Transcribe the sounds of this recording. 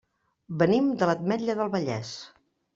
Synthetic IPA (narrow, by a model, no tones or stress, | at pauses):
bənimd̪ələt̪̚mɛʎəðəlˠβəʎɛ̰s